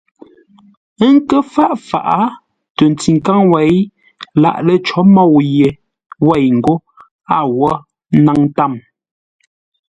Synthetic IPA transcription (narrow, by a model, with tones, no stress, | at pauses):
ŋ˦kə˦fa˦ʔfa̰˨ʔa˦ | tə˨n˨ti˨ŋ˨ka˦ŋwa˨j | la̰˨ʔlə˦t͡ʃɔ˨˦mɔ˦˨wje˨ | wa˦˨jŋ̩˨ɡo˦ | a˦˨wɔ˦ | na˦ŋ˦ta˦˨m